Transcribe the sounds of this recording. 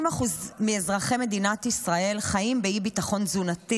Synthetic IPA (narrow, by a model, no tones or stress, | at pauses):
maχuzmeːzʁaχe̞me̞d̪inat̪isʁae̞lχaimbeibitaχo̞nzunati